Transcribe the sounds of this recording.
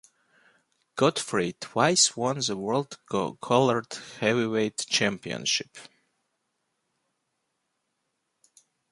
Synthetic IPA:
ɡ̥ɔdfɹitʰwaɪswɔ̃nðəwɜ˞lˠdkʰɔlˠə˞d̥hɛwiweɪdt͡ʃʰæ̃mpiə̰̃nʃɪp

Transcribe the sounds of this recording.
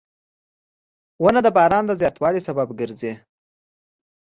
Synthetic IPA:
wənad̪əbɑɾɑnd̪əzjɑt̪wɑlisababɡəɾzi

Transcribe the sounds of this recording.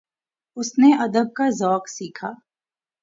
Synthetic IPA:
ʊsneʔɐd̪əb̚kazɔːksiːkʰaː

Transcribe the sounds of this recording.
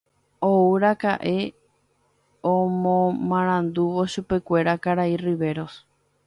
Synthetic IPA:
ouɾakaʔe̞ | õmõmãɾ̃ãnd̪uʋo̞ʃupe̞kʷe̞ɾakaɾairiʋe̞ɾos

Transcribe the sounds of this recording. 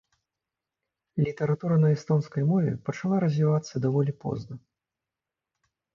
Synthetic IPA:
lʲit̪ɐɾat̪uɾɐnɐɛst̪ɔnskɐjmɔvʲɛ̰pɐt͡ʂalˠaɾɐzʲvʲivat̪sːɐd̪avɔlʲipɔ̰znɐ

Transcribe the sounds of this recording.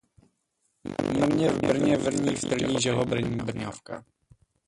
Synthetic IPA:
namɲɛvbɾɲɛvrɲift̪ɾɲiʑɛlɔbɾɲbrɲɔfka̰

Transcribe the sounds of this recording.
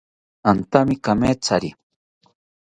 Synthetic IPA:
ant̪amikameːt͡saɾi

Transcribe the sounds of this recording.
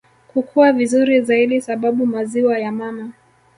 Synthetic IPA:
kukʰuavizuɾizaiɗisaɓaɓumaziwajamama

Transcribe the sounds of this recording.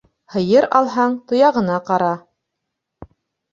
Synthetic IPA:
hɤ̆jɤɾɑlˠɦɑɴt̪ŏjɑʁɤ̆nɑqɑɾɑ

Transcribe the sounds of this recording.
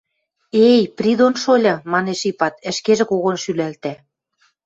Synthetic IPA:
ejpɾʲid̪onʃolʲɤ̆mɑneʃipɑt̪ɘ̆ʃkeʒĕkoɣonʃylælt̪æ

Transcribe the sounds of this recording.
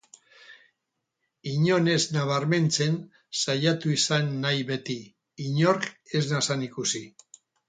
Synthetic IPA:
iɲo̞ne̞znaβ̞aɾme̞nt͡se̞n | sajat̪uisanːajβe̞t̪iː | ɲo̞ɾke̞znasanikusi

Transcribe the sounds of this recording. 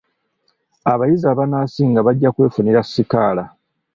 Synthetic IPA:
aβajizaːβanaːsiːŋɡaβaɟːakwe̞ːfuniɾasːikaːla

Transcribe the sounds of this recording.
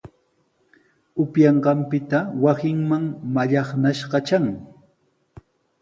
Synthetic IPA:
ʊpjɑɴɢɑmpɪt̪awasɪŋmaŋmaʎɑχnaʃɢɑt͡ʃaŋ

